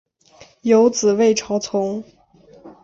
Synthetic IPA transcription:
jo˧˥ʊt͡sɹ̩˨˩we˥˩ɪʈ͡ʂʰɑ˧˥ʊt͡sʰʊ˧˥ŋ

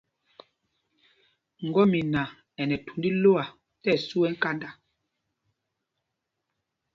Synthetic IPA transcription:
ŋ̩˨ɡɔ˦mi˨na˨ | ɛ˨nɛ˨tu˨ndi˦lo˦a˨ | tɛ˦˨su˦ɛ˦ŋ̩˦ka˦nda˨

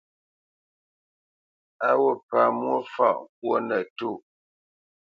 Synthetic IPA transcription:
a˦wo˦˨pa˨mwo˦fa̰˦˨ʔŋ˦˨k̚wo˦nə˨tu˦˨

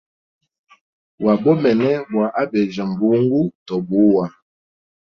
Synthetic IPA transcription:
wa˨bɔ˦mɛ˨nɛ˦bwa˨ʔa˦bɛ˨d͡ʒa˨m˨bu˨˦ŋ˦ɡu˦tɔ˨bu˨˦wa˨

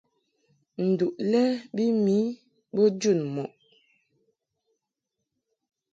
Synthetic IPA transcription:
n̩˨du˨ʔlɛ˦bi˦mi˨˦ | bɔ˦d͡ʒu˦˨nmɔ˨ʔ

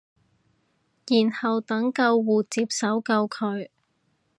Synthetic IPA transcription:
jiː˨˩nhɐ˨wt̪ɐ˨˥ŋkɐ˧wːuː˨t͡siː˧p̚sɐ˨˥wkɐ˧wkʰɵ˨˧ɥ

